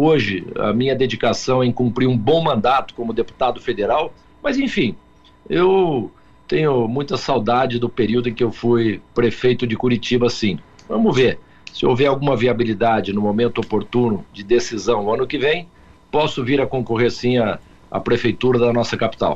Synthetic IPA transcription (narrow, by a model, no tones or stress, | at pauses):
oʒɪɐ̰mĩɲɐd̪ed͡ʒikasɐ̃w̃ɛ̃j̃kũmpɾiɾũbõw̃mɐ̃nd̪at̪ʊ̥kõmʊd̪epu̥t̪ad̪ʊfed̪eɾaw | mɐzẽfĩ | ew | t̪ẽɲʊmũj̃t̪ɐsawd̪ad͡ʒɪd̪ʊpeɾiwd̪ʊẽkɪewfujpɾefejt̪ʊd͡ʒɪkuɾit͡ʃibɐsĩ | vɐ̃mʊveɾ | sɪo̰wvɛɾawɡũmɐviabilid̪ad͡ʒɪnʊmomẽnt̪ʊopoɾt̪unʊd͡ʒɪd̪esizɐ̃w̃nʊɐ̃nʊkɪvẽj̃ | pɔsʊviɾɐkõkoɦeɾsĩɐ | ɐ̰pɾefejt̪uɾɐd̪ɐnɔsɐkapi̥t̪a̰w